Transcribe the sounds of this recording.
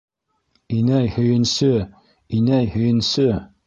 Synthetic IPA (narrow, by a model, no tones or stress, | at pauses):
inæjhɵ̆jɘ̆nsɵ | inæjhɵ̆jɘ̆nsɵ